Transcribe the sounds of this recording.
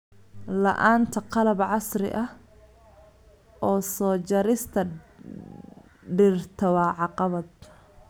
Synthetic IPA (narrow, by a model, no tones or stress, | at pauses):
lɐ̰ʔaːnt̪ʰɐqɑlɐbʕɑsɾɪ̰ʔɐh | ʔɔːsɔːt͡ʃɐɾɪst̪ʰɐ | ɖɪrt̪ʰɐwɐːʕɑqɑβɐd̪̚